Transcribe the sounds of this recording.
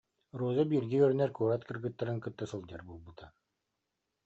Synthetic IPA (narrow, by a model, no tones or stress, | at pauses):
ɾuːzabiɾɡɛœɾnɛɾkuɾat̪kɯ̆ɾɡɯt̪ːaɾɯŋkɯt̪ːasɯlˠd͡ʑɛɾbulˠbɯt̪ʰa